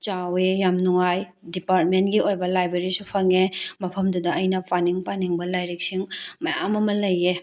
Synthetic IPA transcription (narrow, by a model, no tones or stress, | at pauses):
t͡ʃawejamnuŋajdipaɾt̚mentɡiʔojbɐlajbɾeɾisupʰɐŋemɐpʰɐmdudɐɐjnɐpʰaniŋpaniŋbɐlajɾik̚siŋmɐja̰mɐmɐlɐje